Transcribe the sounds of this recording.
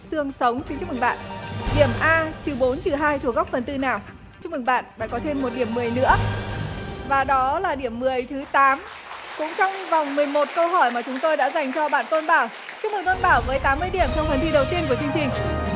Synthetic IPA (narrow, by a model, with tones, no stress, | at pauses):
sɨ˧əŋsə˨˦wŋ͡mt͡ɕt͡ɕu˦˥k̚mɨ˨˩ŋ̚ɓa̰ː˧˨nʔɗi˧˩əmʔaː˧t͡ɕɨ˨˩ɓo˨˦nt͡ɕɨ˨˩ɦaː˧jt̪ʰu˧˩əɣa˦˥k͡p̚fə˨˩nt̪ɨ˧naː˨˩w | t͡ɕʊ˦˥k̚mɨ˨˩ŋ̚ɓa̰ː˧˨nɗa̰ː˧˥˩kɔ˨˦t̪ʰe˧mːo˨˩t̚ɗi˧˩əmːɨ˨˩əjnɨ̰˧˥ə | vaː˨˩ɗɔ˨˦laː˨˩ɗi˧˩əmːɨ˨˩əjt̪ʰɨ˨˦t̪aː˨˦m | kʊ̰˧˥ŋ͡mt͡ɕɔ˧wŋ͡mva˨˩wŋ͡mmɨ˨˩əjmo˨˩t̚kə˧wɦɔ˧˩jmaː˨˩t͡ɕʊ˨˦ŋ͡mt̪o˧jɗa̰ː˧˥za˨˩jŋ̟t͡ɕɔ˧ɓa̰ː˧˨nt̪o˧nɓaː˧˩w | t͡ɕʊ˥ŋ͡m̚mɨ˨˩ŋt̪o˧nɓaː˧˩wvəː˨˦jt̪aː˨˦mːɨ˧əjɗi˧˩əmt͡ɕʰɔ˧wvə˨˩nt̪ʰi˧ɗə˨˩wt̪i˧ənku˧˩ət͡ɕɨ˧əŋt͡ɕï˨˩ŋ̟